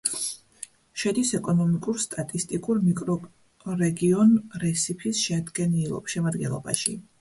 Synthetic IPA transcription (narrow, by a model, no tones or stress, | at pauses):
ʃɛd̪isɛkʼɔnɔmikʼuɾst̪ʼat̪ʼist̪ʼikʼuɾmikʼɾɔ | ɾɛɡiɔnɾɛsipʰisʃɛad̪ɡɛnilˠɔ̰pʃɛmaɾd̪̚ɡɛ̰nlˠɔ̰ba̰ʃi